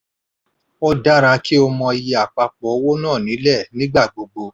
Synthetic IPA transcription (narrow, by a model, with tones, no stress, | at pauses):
ɔ˦da˦ɾa˧˦ki˦ɔ˧mɔ̃˧i˧ji˧˨a˨k͡pa˧k͡pɔ˨˦wo˦nãː˦˨nĩ˨˦lɛ˦˨nĩ˦ɡ͡ba˦˨ɡ͡bo˨ɡ͡bo˧